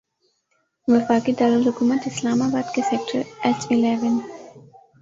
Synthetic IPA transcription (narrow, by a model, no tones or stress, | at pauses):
ʋɪfaːkid̪aːləlɦʊkuːmət̪ɪslaːmaːbaːd̪keseːk̚ʈəɾɛsɪleːʋən